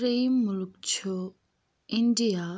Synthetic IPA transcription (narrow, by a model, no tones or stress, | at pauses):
ɾemːuluk̚t͡ɕʰo | indija